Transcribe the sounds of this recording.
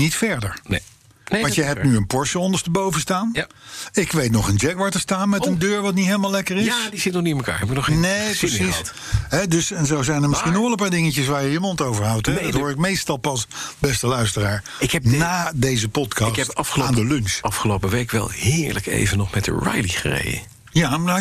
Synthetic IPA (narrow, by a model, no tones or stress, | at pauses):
nitfɛɹdəɹne | nʋɑnjəɦɛpnyənpɔɹʃəɔndəɹstəbowvənstaːnɪkʋejtnɔχənd͡ʒɛkʋaːɹtəstaːnmɛəndøːɹʋɑt̬nitɦeɪjləmalɛkəɹɪadizɪtnɔχniɪnməka̰ːɹɦɛbɪk̚nɔχnepəsis | ɦɛdɵsɛnzowzɛjnəɹmɪsχinɔʋɛlˠəp̬aːɹdɪŋəcəs̬ʋaːɹjəimɑntowvəɹɦɑwtɛdɔtɦʊːɹtɪkmejstɑlˠpɑsbɛstəlœɥstəraːɹ | ɪkɛnaːdejzəpɔtkɑstɑfəloandəlʏŋksɑfχəlowpəʋejkʋɛ̰lˠhɪːɹlə̰kḛjvənɔχmɛtdə̰ɹa̰jlḭχərḛjdə̰ | ja